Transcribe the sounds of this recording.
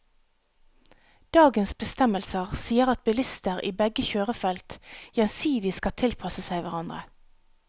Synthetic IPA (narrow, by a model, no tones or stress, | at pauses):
d̪̥ɑːɡənsbəst̪ɛməlsəʁsiːəʁɑt̪̚bɪlɪst̪əʁḭːbɛɡəçøːʁəfɛlt̪jɛnsiːd̪ɪskɑt̪ʰɪlpʰɑsəsæɪʋæʁɑnd̪ʁə̰